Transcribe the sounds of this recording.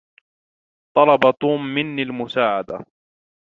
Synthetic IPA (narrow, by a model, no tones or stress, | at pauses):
t̪ˤɑlɑbat̪uːmːɪnːilmʊsaːʕad̪a̰